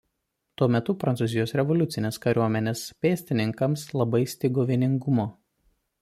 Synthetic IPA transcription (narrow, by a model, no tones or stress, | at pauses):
t̪uɔmʲɛt̪ʊpɾɐnt̪suːzʲɪjoːsɾʲɛʋɔlʲʊt̪sʲɪnʲeːskɐɾʲuɔmʲɛnʲeːspʲeːsʲt̪ʲɪnʲɪŋkɐmslˠɐbɐɪsʲt̪ʲɪɡoːʋʲiːnʲɪŋɡʊmoː